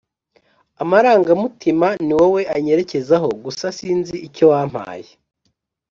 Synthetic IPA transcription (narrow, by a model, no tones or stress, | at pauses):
amaɾaːŋɡamutimaniwewe̞ʔaɲe̞ɾe̞ce̞zaɦo̞ɡusasiːnziico̞waːm̥ha̰ːje